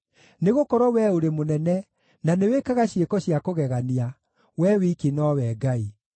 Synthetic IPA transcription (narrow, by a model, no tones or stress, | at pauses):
neɣokɔɾɔwɛoɾemonɛnɛ | nanewekaɣaɕiekɔɕijakoɣɛɣania | wɛwikinɔwɛɡai